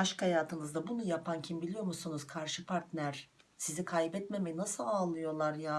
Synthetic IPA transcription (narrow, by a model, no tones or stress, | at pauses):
aʃkhajaːt̪ʰɯnɯzd̪abunujapʰancʰimbilʲijo̞ɾmusunuz̥kʰaɾʃɯpʰaɾt̪nʲæɾ̥ | sizikʰajbɛt̪me̞mejinasɯlˠaːlˠɯjo̞lˠaɾjaː